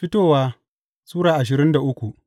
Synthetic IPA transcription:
ɸɪ˦toː˦˨waː˦ | suː˦ɽaː˨ʔa˨ʃ̬ɪ˨ɾɪ˦nda˨ʔʊ˦kʷu˨ʔ

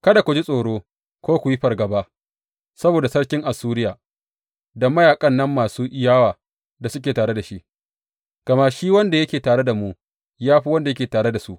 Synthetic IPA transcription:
kɐ˦da˨kʷu˨d͡ʒi˦sʼoː˨ɽoː˦ | kʷoː˦kʷu˨ji˦ɸɐ˨rɡɐ˨ba˦ʔ | sɐ˦boː˨da˨sɐ˦ɽkʲɪ˦ŋʔa˨sːuː˦ɾɪ˦jaː˨ | dɐ˦mːɐ˦jaː˨kʼɐ˦nːɐ˦mːaː˨suː˦ʔɪ˦jaː˦waː˨ | da˨sʊ˦k̬ʲeː˨taː˨ɽe˦da˨ʃi˦ʔ | ɡ̥ɐ˨ma˦ʃiː˦wɐ˦nda˨jɐ˦kʲeː˨taː˨ɽe˦da˨muː˦ | jaː˦ɸi˦wɐ˦nda˨jɐ˦kʲeː˨taː˨ɽe˦da˨su˦ʔ

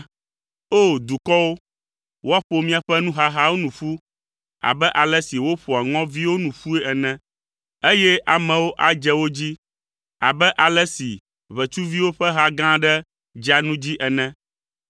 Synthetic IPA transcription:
o˦˨d̪u˨kɔ˦wo˦ | wo˦a˦ɸo˨mĩ˦a˨ɸɛ˦nũ˦ɦa˦ɦa˦wo˦nũ˨ɸu˦ | a̰˨bɛ˦ʔa˨lɛ˦si˨wo˦ɸo˨a˨ŋɔ̃˦vi˦wo˦nũ˨ɸu˦ɛ˦ɛ˨nɛ̃˦ | e˦jɛ˦ʔa˨mɛ̃˨wo˦ʔa˨d͡ʒɛ˦wo˦d͡ʑi˦ | a̰˨bɛ˦ʔa˨lɛ˦si˨ | βɛ˨t͡ʃu˦vi˦wo˦ɸɛ˦ɦa˦ɡã˦ɖɛ˦ | d͡ʒa˦nũ˦d͡ʑi˦ʔɛ˨nɛ̃˦

